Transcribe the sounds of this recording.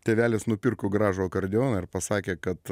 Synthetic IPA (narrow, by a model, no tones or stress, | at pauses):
t̪ʲeːʋʲæːlʲɪsnʊpʲɪɾkʊɡɾɑːʒʊokɐɾʲd̪ʲɪjoːnɐɪɾpɐsɑːkʲeːkɐt̪